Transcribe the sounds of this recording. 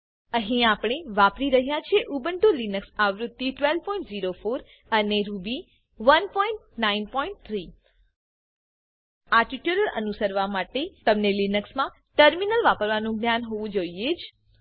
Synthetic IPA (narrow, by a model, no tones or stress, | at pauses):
ə̃ɦĩapɳ̃eʋapɾiɾəɦjat͡ʃʰeʔubəɳʈolinəksaʋɾʊd̪ːiʈʋel̚pɔĩɳʈziɾofoɾ | əneɾubi | ʋənpɔĩɳʈnainpɔĩɳʈ̚t̪ʰɾi | aʈiʈuɾələ̰nusəɾʋamaʈet̪əmnelinəksmã | ʈəɾminəlʋapəɾʋanũɡnjanɦoʋũd͡ʒoied͡ʒ